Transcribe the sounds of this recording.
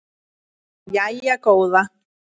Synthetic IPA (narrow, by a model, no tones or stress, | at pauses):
jaiakowða